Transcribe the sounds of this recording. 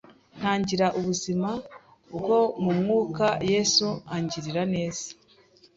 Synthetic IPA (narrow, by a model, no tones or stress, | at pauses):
n̥haːɲɟiɾaʔuβuzima | bɡo̞mumŋuːkaje̞ːsuaɲɟiɾiɾane̞ːz̥ḁ